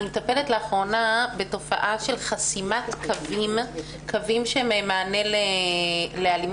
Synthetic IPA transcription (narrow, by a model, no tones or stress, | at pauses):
nmetape̞letleaχʁo̞nabe̞to̞fa̰ʔaʃelχasimatkʰavim | kʰavimʃememaːne̞le | lealim